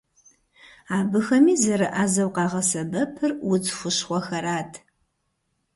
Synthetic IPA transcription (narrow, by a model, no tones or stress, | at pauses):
aːbɨxɐmiːzɐɾɨʔaːzɐwqɑːʁɐsɐbɐpʰɨrwʊd͡zxʷʊʃχʷɔxɐɾaːtʰ